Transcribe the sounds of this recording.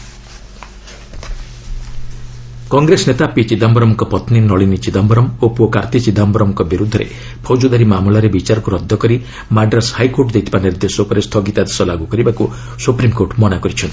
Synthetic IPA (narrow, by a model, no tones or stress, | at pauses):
kɔŋɡɾesnet̪apit͡ʃid̪ambɔɾɔmɔkɔpɔt̪ninɔɭinit͡ʃid̪ambɔɾɔmopuɔkaɾt̪it͡ʃid̪ambɾɔmɔkɔbiɾud̪ʱːɔɾḛ | pʰɔwd͡ʒud̪aɾimamlaɾebit͡ʃaɾɔkuɾɔd̪ʱːɔkɔɾi | maɖɾashajkoɾʈd̪et̪ʰibaniɾd̪esɔpɔɾest̪ʰɔɡit̪ad̪esɔlaɡukɔɾibaku | supɾimkoɾʈmɔnakɔɾit͡ʃʰɔnt̪i̥